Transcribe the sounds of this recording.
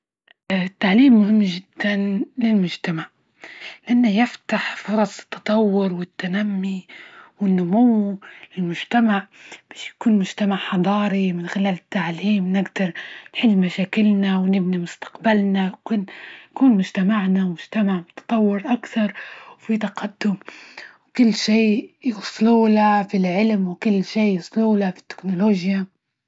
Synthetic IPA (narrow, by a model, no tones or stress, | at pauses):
t̪ːaʕliːmːʊhɪmːʒɪd̪̥ːanlɪlmʊd͡ʒt̪amaʕ | lɪʔanːajɪft̪aħfʊɾˤɑsˤt̪ːɑ̥t̪ˤɑwːʊɾwɪt̪ːanamːiwɪnːʊmuwlɪlmʊd͡ʒt̪amaʕb̥aːʃjḁkuːnmʊd͡ʒt̪amaʕħɑd̪ˤɑːɾimɪnxɪlaːlɪt̪ːaʕliːmnɪɡd̪ɑɾˤnħɪlːmaʃaːkɪlnawnɪbnimʊst̪ḁqbalnakʊːnkuːnmʊd͡ʒt̪amaʕnawmʊd͡ʒt̪amaʕmʊt̪ɑ̥t̪ˤɑwːɪɾʔakθɑɾˤwfit̪ɑqɑd̪ːʊmwkʊlːʃeːjʊsˤluːlafilʕɪlmwkʊlːʃeːjʊsˤluːlafi̥t̪ːɪ̥knʊloːʒja